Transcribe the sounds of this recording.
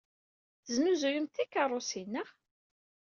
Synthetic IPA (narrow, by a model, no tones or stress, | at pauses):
θəznuzujʊmt̪ːikːɑrˤosinːəʁ